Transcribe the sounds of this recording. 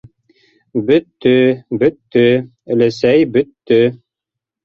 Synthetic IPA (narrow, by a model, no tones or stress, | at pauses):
bɵt̪ːɵbɵt̪ːɵ | ɘ̆læsæjbɵ̆t̪ːɵ